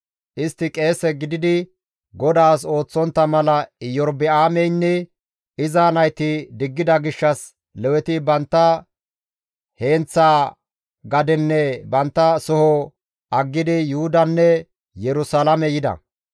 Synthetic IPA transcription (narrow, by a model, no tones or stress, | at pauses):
ʔɪst̪ːɪkʼe̞ːsɛɡɪd̪ɪd̪ɪ | ɡɔd̪aːs̬o̞ːt͡sːɔnt̪ːɐmɐlɐɪjɔɾbɪaːmɛjnːɛ | ɪzaːnɐjt̪ɪd̪ɪɡːɪd̪ɐɡɪʃːɐs | lɛwɛt̪ɪbɐnt̪ːɐ | he̞ːnt͡sːaː | ɡɐd̪ɛnːɛbɐnt̪ːɐsɔhɔ | ʔɐɡːɪd̪ɪjʊhʊd̪ɐnːɛ | jɛɾʊsalɐmɛjɪd̪ɐ̰